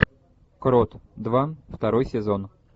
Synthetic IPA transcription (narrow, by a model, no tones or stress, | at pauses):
kɾot̪d̪vaft̪ɐɾojsʲɪzon